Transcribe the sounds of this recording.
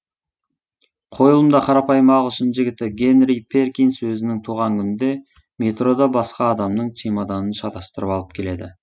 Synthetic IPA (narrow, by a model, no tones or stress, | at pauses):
qʰo̞jəlˠəmd̪ɑqʰɑɾɑpɑjəmɑʁˠʃənʒɪɡʲɪt̪ɪɡʲe̞nrijpʰe̞rkʲijnswɵzɪnɪŋt̪ʰuʁɑŋkʲʰʏnɪnd̪e̞ | me̞t̪ro̞d̪ɑbɑsqɑːd̪ɑmnəɴt̪ʰemɑd̪ɑnənʃɑt̪ɑst̪əɾəpɑlˠəp̚kʲʰele̞d̪ɪ